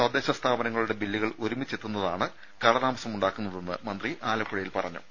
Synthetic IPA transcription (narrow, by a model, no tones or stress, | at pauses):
sɐd̪ːe̞ːɕɐst̪ʰaːbɐnɐŋːɐɭuɽe̞bilːiɣɐɭoɾumit͡ɕːet̪ːunːɐðaːɳɨ | kɐɭɐðaːmɐsɐmuɳɖaːkːunːɐðe̞nːɨ̰mɐnd̪riʔaːlɐkːuɻɐjilpɐrɐɲːṵ